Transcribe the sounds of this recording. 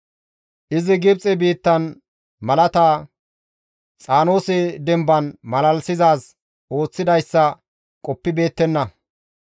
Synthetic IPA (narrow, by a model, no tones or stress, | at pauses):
ʔɪzɪɡɪbt͡sʼɛbiːt̪ːɐn | mɐlɐt̪aː | t͡sʼaːno̞ːsɛd̪ɛmbɐnmɐlɐlsɪzaːs | o̞ːt͡sːɪd̪ɐjsːɐ | kʼɔpːɪbe̞ːt̪ːɛnːɐ